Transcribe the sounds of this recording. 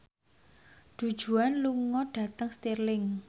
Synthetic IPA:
ɖ̪̥ṳd̥ʒ̥ṳanluŋɔɖ̥ä̤t̪əŋst̪irlɪŋ

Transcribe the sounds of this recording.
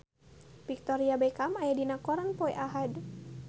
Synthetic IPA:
bik̚t̪ɔɾiabɛkamajadinakɔɾanpɔɛʔaɦad

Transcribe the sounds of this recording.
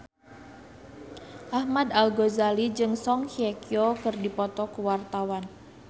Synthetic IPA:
ʔahmad̪alɡozalid͡ʒɨŋsɔŋhiekiɔkɨrdipɔt̪ɔkuwart̪awan

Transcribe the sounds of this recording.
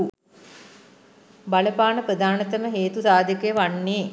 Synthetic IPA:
baləpaːnəpɾəd̪ʱaːnɐt̪ɐməɦeːt̪usaːd̪ʱjəkəjəʋaɳːeː

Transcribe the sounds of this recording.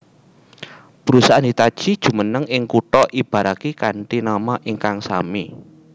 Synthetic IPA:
b̥əɾusaʔand̪it̪ad̥ʒ̥i̤d̥ʒ̥ṳmənəŋɪŋkuʈɔʔib̥a̤ɾakikaɳʈinamaʔiŋkaŋsami

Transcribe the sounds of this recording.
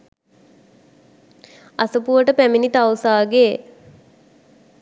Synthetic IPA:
asəpuʋəʈəpæminit̪awsaːɡe

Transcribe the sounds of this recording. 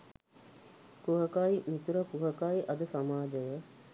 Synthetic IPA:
kuɦəkaːimit̪uɾəkuɦəkaiʔɐd̪əsamaːd͡ʒəjə

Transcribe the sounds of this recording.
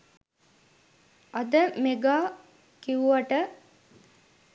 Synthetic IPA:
ɐd̪əmeɡaː | kiʋuʋaʈə

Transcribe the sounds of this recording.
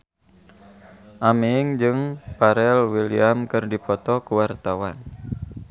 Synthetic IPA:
ʔamiŋd͡ʒɨŋpaɾɛlwiliamkɨrdipɔt̪ɔkuwart̪awan

